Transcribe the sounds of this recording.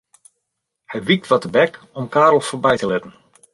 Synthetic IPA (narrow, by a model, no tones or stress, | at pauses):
hɛjʋik̚tʋatəbɛk | ɔmkaːɾl̩ˠfoːɹbɛjtəlɛtən̩